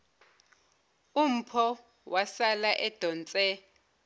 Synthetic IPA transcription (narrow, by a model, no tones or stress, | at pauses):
um̩pʰɔ | wʔasalaʔɛd̥ʱɔnt͡sʼɛ